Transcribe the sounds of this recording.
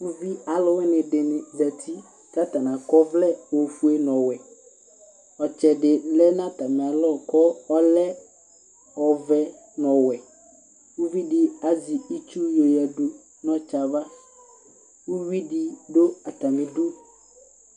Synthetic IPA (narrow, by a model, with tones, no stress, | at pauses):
wu˦vi˦a˨lɔ˦wɛ˦nɪ̃˨ɖɪ˨nɪ˨da˨t̪ʰi˦ | ta˦t̪a˨nã˨kɔ˦vlɛ˦wo˨fu˦e˦nɔ̃˨wɛ˨ | ɔ˨t͡ʃɛ˨ɖɪ˨lɛ˦nã˦t̪a˨mɪ̃˨a˨lɔ˦˨kɔ˦ɔ˦lɛ˦ | ɔ˨vɛ˦ | nɔ̃˨wɛ˨ | wu˦vi˦di˦a˨zi˨i˦t͡ʃu˦jo˨ja˨ɖu˨˦ | nɔ̃˨t͡ʃa˨va˦ | wu˦wi˦di˦do˦a˨t̪a˨mɪ̃˨do˦